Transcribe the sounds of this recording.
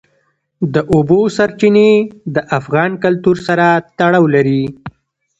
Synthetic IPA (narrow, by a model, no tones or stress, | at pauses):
d̪əʔobosaɾt͡ʃined̪əʔafɣɑnkalt̪uɾsaɾat̪aɽɑwlaɾi